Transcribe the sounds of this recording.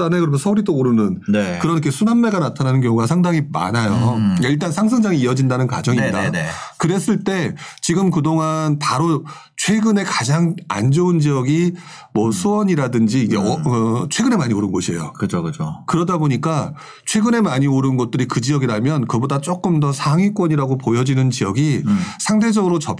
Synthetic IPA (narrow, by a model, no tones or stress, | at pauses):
anekɯɾʌmjʌnsʰʌuɾidooɾɯnɯnnekɯɾʌnikʰesʰunanmːe̞ɡanatʰananɯnkjʌŋuɡasʰaŋdaŋima̰najokaiɭt͈ansʰaŋs̬ʰɯŋd͡ʑaŋiːʌd͡ʑindanɯnka̰d͡ʑʌŋimɲidankɯɾe̞s͈ɯɭt͈e̞t͡ɕiɡɯmkɯdoŋanpaɾo | t͡ɕʰwe̞ɡɯne̞kad͡ʑaŋa̰nd͡ʑound͡ʑijʌɡi | mwʌsʰuwʌɲiɾadɯnd͡ʑiːɡḛʌʌt͡ɕʰwe̞ɡɯne̞maɲioɾɯnɡoɕʰie̞jo̰kɯokɯt͡ɕʰokɯɾʌdaboɲik͈a | t͡ɕʰwe̞ɡɯne̞maɲioɾɯnɡʌt̚t͈ɯɾikɯd͡ʑijʌɡiɾamjʌnkɯbodat͡ɕ͈ok͈ɯmdʌsʰaŋɥik͈wʌɲiɾaɡopojʌd͡ʑinɯnt͡ɕijʌɡisʰaŋde̞d͡ʑʌɡɯɾot͡ɕʌp